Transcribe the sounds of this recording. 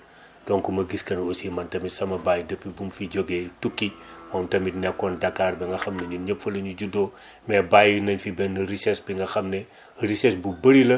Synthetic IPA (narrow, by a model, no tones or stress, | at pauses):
d̥ɔnkumɐɡiskɐnosimɐntɐmitsɐmɐbaːjdɐpːibumfiɟɔɡeːtukːimɔːmtɐmitnɛpkːɔndɐkːaːrbɛŋɡɐxɐmnɐɲuɲɐpfɐlɐɲuɟudɔː | mɛbaːjunɐɲfibɛnːɐrisɛsbiŋɡɐxɐmnɛ | risɛsbubɐɾilɐ